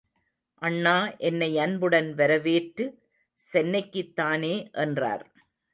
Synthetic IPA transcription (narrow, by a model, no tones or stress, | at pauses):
ʔɐɳːaːʔɛnːɐɪɐnbɯɽɐnʋɐɾɐʋeːʈɾɯ | sɛnːɐɪkːɯt̪ːaːneːʔɛndra̰ːɾ